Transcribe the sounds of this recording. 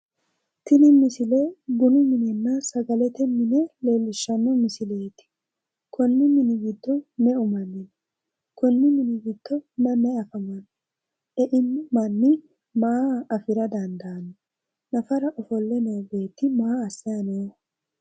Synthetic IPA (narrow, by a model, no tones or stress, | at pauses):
t̪ɪnɪmɪsɪlɛɡʊnʊmɪnɛnːɐsɐɡɐlɛt̪ɛmɪnɛle̞ːlːɪʃːɐnːɔmɪsɪleːt̪ɪ̥ | kʰɔnːɪmɪnɪɡɪd̪ːɔnɛʊmɐnːɪn | kɔnːɪmɪnɪɡɪd̪̥ːɔnɐnɛɐfɐmɐn | ɛʔɪnmɐnːɪ | mɐaɐfɪɾɐd̪ɐnd̪ɐɐn | nɐfɐɾɐʔɔfɔlːɛnowbe̞ːt̪ːɪmɐaːsːɪjɐnoː